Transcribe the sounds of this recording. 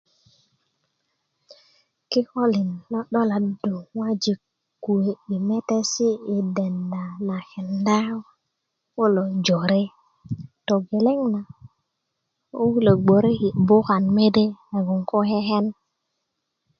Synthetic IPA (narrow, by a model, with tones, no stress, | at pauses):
ki˦ho˦li˨nːo˦ɗo˦la˨do˨wa˦d͡ʒi˨k | kːu˨e˨i˨me˦te˦si˦i˨de˨nda˨na˨he˨nda˦w | wo˦lo˨d͡ʒo˨ɾe˦ | to˨ɡe˨le˦ŋna˨ | u˦le˨ɡ͡bo˨ɾe˦hi˨ʔbo˦ka˨nme˦de˦a˨ɡu˨ŋko˦he˦ɦe˦n